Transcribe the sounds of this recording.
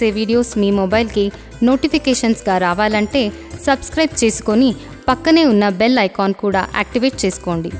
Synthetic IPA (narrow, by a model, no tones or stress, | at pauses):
eːʋiːɽijo̞ːsmiːmobɐjlki | no̞ːʈipʰikeːʂɐnsɡaːɾaːʋaːlɐɳʈe̞ː | sɐbskɾɐjb̚t͡ʃe̞ːsu̥ko̞ni | pɐkːɐne̞ːunːɐbelɐjkaːnkuːɽa̰ːʔeːk̚ʈiʋe̞ːʈ̚t͡ʃe̞ːsu̥ko̞ːɳɖi